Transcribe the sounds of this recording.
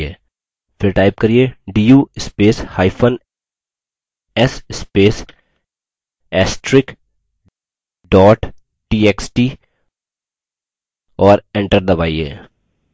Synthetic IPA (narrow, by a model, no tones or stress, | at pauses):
eː | fɪɾʈaːɪp̚kɐɾieɖiːjuːɪspeːshaːɪpʰən | ɛsɪspeːs | ɛːsʈɾɪk | ɖɔːʈ | ʈiːeksʈi | ɔːɾɛ̃ɳʈəɾd̪ɐbaːiḛː